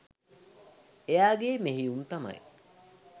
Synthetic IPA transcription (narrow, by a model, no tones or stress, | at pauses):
ejaːɡeːmeɦiunt̪ɐmɐ̰j